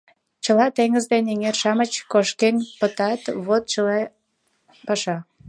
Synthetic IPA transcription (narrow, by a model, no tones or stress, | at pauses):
t͡ɕəlɑt̪eŋəzd̪eneŋerʃɑmət͡ɕkoʃkenʲpət̪ɑt̪βot̪̚t͡ɕəle | pɑʃɑ